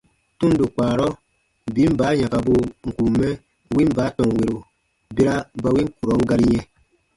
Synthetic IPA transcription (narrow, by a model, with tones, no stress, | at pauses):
tũ˦n˦do˨k͡paː˨ɾɔ˦ | bi˨˦m̩˦baː˨˦ɲã˨ka˨bo˦˨ŋ̩˨ku˨mːɛ̃˦ | wĩ˦m˦baː˨˦tɔ̃˨ŋ˨we˨ɾo˨ | be˦ɾa˦ba˧wĩ˦ku˨ɾɔ˨˦ŋ̩˦ɡa˧ɾi˦jɛ̃˧